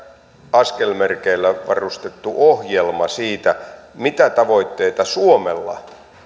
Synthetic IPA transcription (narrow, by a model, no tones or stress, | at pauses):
ɑskelmerkeilːæʋɑ̰rust̪et̪ːuʔohjelmɑsiːt̪æmit̪æt̪ɑʋoit̪ːeːt̪ɑsuomelːɑ̰